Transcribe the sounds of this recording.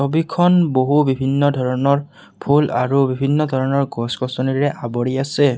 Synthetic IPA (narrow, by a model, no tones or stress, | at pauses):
sobikʰɔnboɦubibʱinːɔdʱɔɹɔnɔɹ | pʰulaɹubibʱinːɔdʱɔɹɔnɔɹɡɔskɔsɔniɹɛʔabɔɹiasɛ